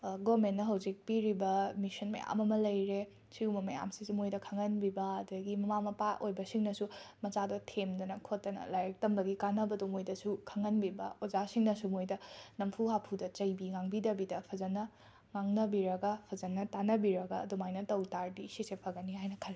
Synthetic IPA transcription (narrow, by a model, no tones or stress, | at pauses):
ɡomenːɐɦɐwzik̚piɾibɐmisɐnmɐ̰ja̰mɐmɐlɐjɾe | siumɐmɐja̰msisimojdɐkʰɐŋɐnbibɐːdɐɡimɐmamɐpaʔojbɐsiŋnɐsumɐt͡ʃadotʰemdɐnɐkʰotːɐnɐ̰lajɐk̚tɐmbɐɡikanɐbɐdumojdɐsukʰɐŋɐnbibɐ̰ozasiŋnɐsumojdɐnɐmpʰuɦapʰudɐt͡ʃɐjbiŋaŋbidɐbidɐpʰɐzɐnɐ | ŋaŋnɐbiɾɐɡapʰɐzɐnɐtanɐbiɾɐɡaːdumajnɐtɐwtaɾdisisepʰɐɡɐniɦajnɐkʰɐɾ